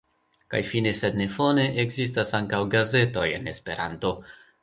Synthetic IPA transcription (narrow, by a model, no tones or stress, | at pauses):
ka̰jfine̞se̞dne̞fo̞ne̞ʔeɡzis̬tasaŋkawɡaze̞to̞je̞̰ne̞spe̞̰ɾa̰nto̞